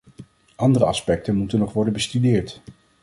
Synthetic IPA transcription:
ʔɑndərəɑspɛk̚tənmutənːɔχʋɔɹdənbəstydɪːɹt

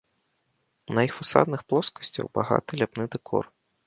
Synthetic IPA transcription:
nɐjixfasa̰d̪nɨxplˠɔskɐ̥sʲt͡sʲɐ̰wbaɣa̰t̪ɨlʲapnɨd̪ɨkʰɔ̰r

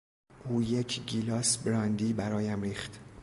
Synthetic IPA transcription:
ʔuːjecʰɟilɒːsbɾɒːnd̪iːbæɾɒːjæmɾiːχt̪

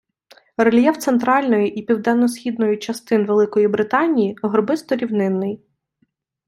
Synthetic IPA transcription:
rɔlʲjɛwt̪sent̪ɾɑlʲnɔjiʔipʲiwd̪ɛnːɔsʲxʲid̪nɔjʊt͡ʃɐst̪ɪnʋelˠɪkɔjibɾɪt̪ɑnʲijiɔɦrbɪst̪ɔɾʲiwnɪnːɪj

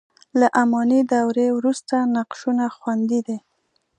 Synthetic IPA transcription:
laʔamɑnid̪awɾewɾust̪anaqʃunaxwand̪id̪e

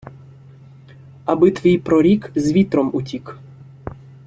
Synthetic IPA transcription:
abɪt̪ʋʲijpɾɔɾʲikzʲʋʲit̪ɾɔmutʲik

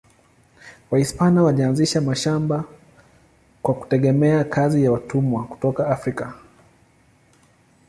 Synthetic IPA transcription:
waispanawalianziʃamaʃamba | kwaku̥tɛɠɛmɛakʰazijawatumwaku̥tɔkaafɾika

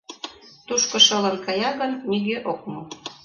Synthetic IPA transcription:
t̪uʃkŏʃɤ̆lə̆nkɑjɑɣə̆nmiɣøʔok̚mo

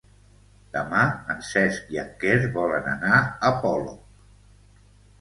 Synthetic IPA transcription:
d̪əmaənsɛsjakeɾβɔlənə̰naəpɔlo

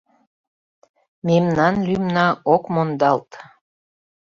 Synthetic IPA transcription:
memnɑnlymnɑokmond̪ɑlt̪

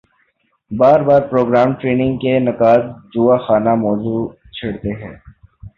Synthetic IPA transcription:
baːɾbaːɾpɾoːɡɾaːmʈɾeːnɪ̃ŋɡkenɐkaːt̪̚d͡ʒuːaxaːnamɔːzu | t͡ʃʰɐɽt̪eɦɛ̰̃ː

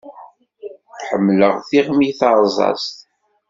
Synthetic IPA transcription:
ħəmːləʁθiʁmiθɑɾˤzˤɑ̰st̪

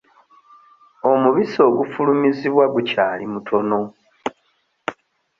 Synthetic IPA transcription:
o̞muβiso̞ːɡufulumiziβwaɡucaːlimutʰo̞no̞

